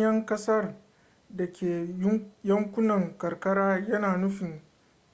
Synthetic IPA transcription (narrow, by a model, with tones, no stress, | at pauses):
jɐ˦ŋkɐ˦sɐ˦r | dɐ˨kʲeː˨˦jɐ˦ŋkʷʊ˦nɐ˨ŋkɐ˨rkɐ˦ɽaː˦jɐ˦naː˨nʊ˦ɸɪ˨ŋ